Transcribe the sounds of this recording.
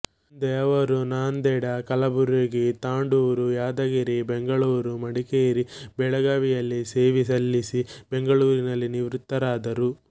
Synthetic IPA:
d̪ɛːʋɐɾunaːnd̪ɛːɽɐkɐlɐbuɾeɡit̪aːɳɖuːɾujaːd̪ɐɡiɾibeŋɡɐɭuːɾumɐɽikeːɾibɛɭɐɡaːʋijɐlːise̞ːʋis̬ɐlːisibeŋɡɐɭuːɾinɐlːiniʋɾut̪ːɐɾaːd̪ɐɾu

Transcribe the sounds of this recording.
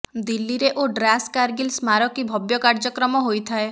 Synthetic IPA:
d̪ilːiɾeʔoɖɾaskaɾɡilsmaɾɔkibʱɔbjɔkaɾd͡ʒɔkɾɔmɔɦojt̪ʰae

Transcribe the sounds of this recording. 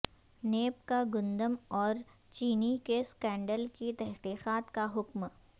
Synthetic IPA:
neːpkaɡʊ̃nd̪əmɔːɾ | t͡ʃiːnikeskɛ̃ːɳɖəlkit̪ɛɦqiːqaːt̪kaɦʊkm

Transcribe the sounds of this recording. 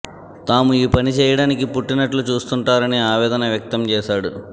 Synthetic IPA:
t̪aːmuiːpɐnit͡ʃɛːjɐɽaːnikipuʈːinɐʈlut͡ʃuːst̪uɳʈaːɾɐniaːʋɛːd̪ɐnɐʋjɐk̚t̪ɐmt͡ʃɛːʃaːɽu

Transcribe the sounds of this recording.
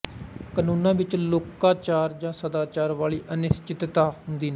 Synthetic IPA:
kənuːnãːʋɪt͡ʃloːkaːt͡ʃaːɾd͡ʒãːsəd̪aːt͡ʃaːɾʋaːliːʔənɪst͡ʃɪt̪t̪aːɦʊnd̪iːnɛː

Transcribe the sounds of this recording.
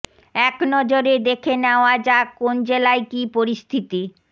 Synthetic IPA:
ɛknɔd͡ʑoɾed̪ekʰeneoad͡ʑakond͡ʑelaekipoɾist̪ʰit̪i

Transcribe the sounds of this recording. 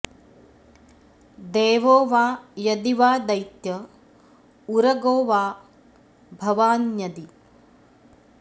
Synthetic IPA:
d̪eːʋoːʋaːjɐd̪iʋaːd̪ɐjt̪jɐ | uɾɐɡoːʋaː | bʱɐʋaːnjɐd̪i

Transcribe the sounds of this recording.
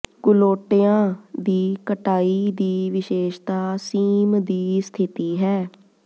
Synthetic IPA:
kʊloːʈeãːd̪iːkəʈaːiːd̪iːʋɪʃeːʃt̪aːsiːmd̪iːst̪ʰɪt̪iːɦɛː

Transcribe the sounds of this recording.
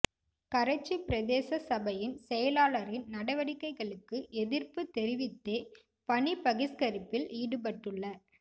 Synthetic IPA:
kɐɾɐt͡ʃːipɪɾɐðeːsɐsɐbɐjɪnsɛjɐlaːlɐɾɪnnɐɽɐʋɐɽɪkːɐɪɣɐɭɯkːɯʔɛðɪɾpɯt̪ɛɾɪʋɪt̪ːeː | pɐɳipɐɣɪskɐɾɪpːɪliːɽɯp̬ɐʈːɯɭːɐ

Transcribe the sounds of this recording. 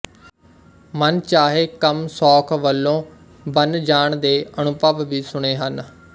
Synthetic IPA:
mənt͡ʃaːɦeːkəmsɔːkʰʋəlːõː | bənd͡ʒaːɳd̪eːənʊpəʋʋiːsʊɽ̃eːɦən

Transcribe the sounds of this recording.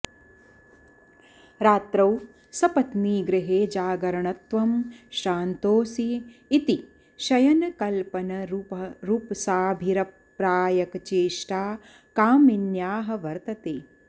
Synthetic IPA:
ɾaːt̪ɾɐw | sɐpɐt̪niːɡɾɪɦeːd͡ʒaːɡɐɾɐɳɐt̪ʋɐmʃaːnt̪oːsiːt̪i | ʃɐjɐnɐkɐlpɐnɐɾɾupsaːbʱiɾɐp | ɾaːjɐkt͡ʃeːʃʈaː | kaːminjaːɦɐ̆ʋɐɾt̪ɐt̪eː

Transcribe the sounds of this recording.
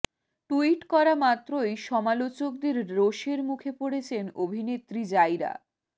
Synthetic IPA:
ʈuiʈkɔɾamat̪ːɾojʃɔmalot͡ɕok̚d̪eɾɾoʃeɾmukʰepoɽet͡ɕʰenobʱinet̪ːɾid͡ʑajɾa̰

